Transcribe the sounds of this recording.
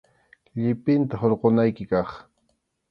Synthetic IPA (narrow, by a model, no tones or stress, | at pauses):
ʎɪpɪnt̪aɦoɾqonajkɪkɑχ